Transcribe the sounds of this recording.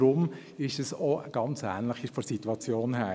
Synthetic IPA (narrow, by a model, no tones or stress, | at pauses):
ɾʊm | ɪʃəsɔəɡ̥ɑnt͡sæ̰ːnləχifɔɾsit̪uwɑt͡sjoːnɦæː